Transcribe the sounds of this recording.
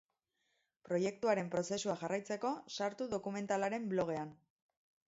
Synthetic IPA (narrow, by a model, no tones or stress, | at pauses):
pɾo̞je̞k̚t̪uaɾe̞mpɾo̞se̞suaʝarajt͡se̞ko̞saɾt̪uðo̞kume̞nt̪alaɾe̞mblo̞ɣ̞e̞an